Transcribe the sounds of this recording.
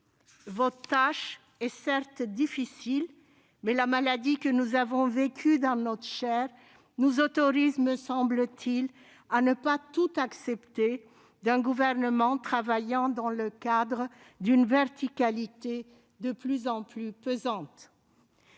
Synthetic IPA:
vɔt̪aʃ | ɛsɛʁt̪d̪ifisil | mɛlamalad̪ikənuzavɔ̃vekʰʲyd̪ɑ̃nɔt̪χəʃɛʁ | nuzɔt̪ɔʁizməsɑ̃blət̪ʰil | anəpat̪ut̪aksɛpt̪e | d̪ɛ̃ɡuvɛʁnəmɑ̃t̪χavajɑ̃d̪ɑ̃ləkad̪ʁə | d̪ynvɛʁt̪ikalit̪e | d̪əplyzɑ̃plypøzɑ̃t̪

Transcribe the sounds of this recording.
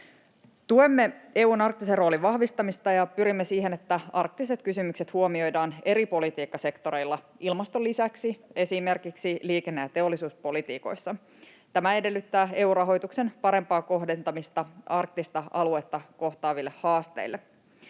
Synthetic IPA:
t̪uemːe̞e̞uːnɑrk̚t̪isero̞ːliʋɑhʋist̪ɑmist̪ɑjɑpyɾimːesiːɦe̞net̪ːæɑrk̚t̪iset̪kysymykse̞t̪huomio̞jdɑːne̞ɾipo̞lit̪iːkːɑse̞kt̪o̞ɾe̞jlːɑ | ilmɑst̪o̞lːisæksie̞sime̞rkiksiliːkenːejɑt̪e̞o̞lːisuːspo̞lit̪ḭːko̞̰jsːɑ | t̪æmæe̞de̞lːyt̪ːæːe̞uːrɑɦo̞jt̪ukse̞npɑɾe̞mpɑːkoɦde̞nt̪ɑmist̪ɑɑrk̚t̪ist̪ɑɑlue̞t̪ːɑko̞ht̪ɑːʋilːe̞hhɑːst̪ḛilːe

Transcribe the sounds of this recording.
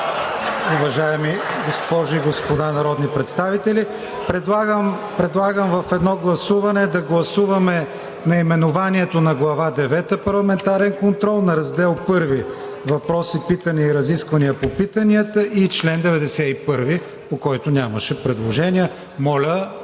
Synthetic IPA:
ʊvɐʒajɛmiɡospɔʒʊiɡospod̪anɐɾɔd̪nipɾɛt̪st̪avit̪ɛli | pɾɛd̪ˠaɡəm | pɾɛd̪lˠaɡəmvɐfɛd̪nɔɡlˠɐsuvɐnɛd̪ɐɡlˠɐsuvɐmɛ | nɐimɛnʊvaniɛt̪onɐɡlˠɐvad̪ɛvɛt̪əpɐɾlˠɐmɛnt̪aɾɛnkont̪ɾɔlˠnɐɾɐzd̪ɛlˠpɤɾvi | vɐpɾɔsipit̪ɐniəiɾɐziskvɐniəpopit̪ɐniət̪əʔit͡ʃlɛnd̪ɛvɛd̪ɛsɛipɤɾvi | pokɔjt̪ʊnʲaməʃɛpɾɛd̪lˠoʒɛniə | mɔlʲə

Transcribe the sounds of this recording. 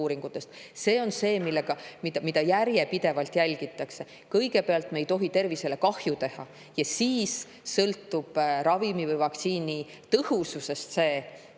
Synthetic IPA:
uːɾiŋɡ̥ut̪ːˑe̞st̪se̞ːo̞nse̞ːmilːeɡ̥ɑmid̪̥ɑmid̪̥ɑjærje̞pid̪̥e̞vɑlt̪jælʲɡ̥it̪ːˑɑkse̞ | kɤjɡ̥e̞peɑlt̪ˑmejt̪o̞ɦit̪e̞rvise̞le̞kɑhjut̪e̞hɑ̰ | jɑsiːsː | ɤlt̪ːˑub̥rɑvimivɤjvɑkt̪siːni | t̪ɤhususe̞st̪se̞ː

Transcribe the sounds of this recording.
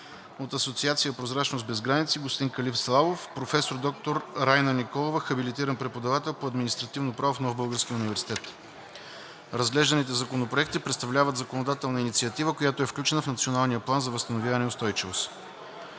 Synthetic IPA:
ot̪ɐsot̪siat̪sijəpɾozɾat͡ʃnosd̪bɛzɡɾanit̪siɡʊst̪iŋkɐlifslˠavofpɾofɛsoɾd̪ɔk̚t̪oɾɾajnənikɔlˠovəxɐbilit̪iɾənpɾɛpod̪ɐvat̪ɛlˠpoɐd̪minist̪ɾɐt̪ivnopɾavofnɔvbɤlˠɡəɾskʲijəunivɛɾsi̥t̪ɛt̪ | ɾɐzɡlɛʒd̪ənit̪ɛzɐkonopɾoɛkt̪ipɾɛt̪st̪ɐvlʲavət̪zɐkonod̪at̪ɛlˠnəinit̪siət̪ivəkojat̪oɛfklʲut͡ʃɛnəfnət̪sionalˠnijəplˠanzɐvəst̪ənovʲjavɐnɛʊst̪ɔjt͡ʃivos

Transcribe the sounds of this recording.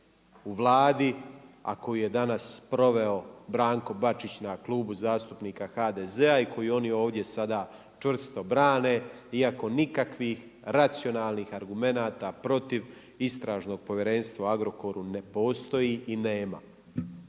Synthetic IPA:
uʋlˠaːd̪ia̰ko̞jije̞d̪anaspɾo̞ʋe̞o̞bɾaːŋko̞bat͡ʃit͡ɕnakluːbuzaːst̪upniːkaxaːd̪eze̞aikʰo̞jio̞nio̞ːʋd̪je̞sad̪aː | t͡ʃʋr̩st̪o̞bɾaːne | iako̞nikakʋix | ɾat̪sio̞naːlˠniːxaɾɡume̞naːt̪apɾo̞t̪iʋ | ist̪ɾaːʒno̞ːɡ̥̚po̞ʋjeɾe̞nst̪ʋauaɡɾo̞ko̞ɾune̞po̞ːst̪o̞jiine̞ːma̰

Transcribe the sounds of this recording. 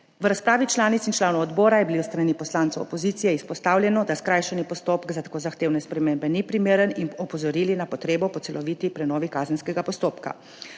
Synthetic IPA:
ʋəɾaspɾaːʋit͡ʃlaːnit̪sint͡ʃlaːnɔwɔd̪bɔːɾajɛbiliwst̪ɾanipɔslaːnt̪ɐwɔ̰pɔziːt̪sijɛispɔst̪aːwlʲjɛnɔd̪askɾaːjʃɛnipɔst̪oːpkzat̪ḁkoːzaxt̪eːwnɛspɾɛmeːmbɛnipɾimeːɾəninɔpɔzɔɾiːlinapɔt̪ɾeːbɔpɔt̪ɛlɔʋiːt̪ipɾɛnɔːʋikaːzənskɛɡapɔst̪oːpka̰

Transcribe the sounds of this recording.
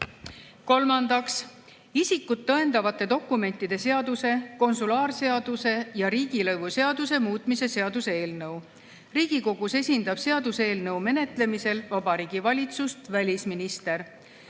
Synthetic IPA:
ko̞lmɑnd̪̥ɑks | isikːˑut̪ːɤe̞nd̪̥ɑvɑt̪ːˑe̞d̪o̞kːˑume̞nt̪ːˑid̪̥e̞se̞ɑd̪use̞ko̞nsulɑːrse̞ɑd̪̥use̞jɑɾiːɡ̥ilɤvuse̞ɑd̪̥use̞muːt̪ˑmise̞se̞ɑd̪̥useeːlnɤw | riːɡ̥iko̞ɡ̥use̞sʲind̪̥ɑb̥se̞ɑd̪use̞ːlnɤwme̞ne̞t̪ˑle̞mise̞lvɑb̥ɑɾiːɡ̥ivɑlʲit̪sust̪vælʲisminist̪e̞ɾ

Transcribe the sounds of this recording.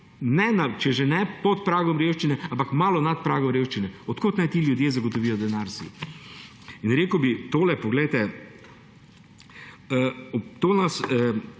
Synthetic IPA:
nɛnat͡ʃɛʒenɛpɔt̪̚pɾaːɡɔmɾewʃt͡ʃinɛãmpakmaːlɔnat̪̚pɾaːɡɔmɾeːwʃt͡ʃinɛɔt̪koːt̪najt̪iljʊd̪jeːzɐɡot̪ɔʋiːjɔd̪ɛnaɾsḭ | inɾeːkəwbit̪oːlɛpɔɡlɛjt̪ɛ | əɔt̪oːnasə

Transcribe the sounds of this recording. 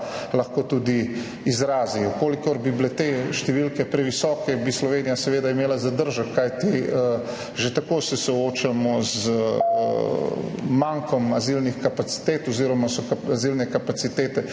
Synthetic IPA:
lɐxkoːt̪uːd̪i | izɾaːzijɔkoːlikɔɾbibilet̪eʃt̪ɛʋilkɛpɾɛʋisɔːkɛbislɔʋeːnijasɛʋeːd̪aimeːlazad̪əɾʒəkːajt̪iə | ʒet̪akoːsɛsɔoːt͡ʃamɔz̰ | maŋkʰɔmazilnixkapat̪si̥t̪eːt̪ɔziːɾɔmasɔkazilnɛkapat̪sit̪eːt̪ɛ

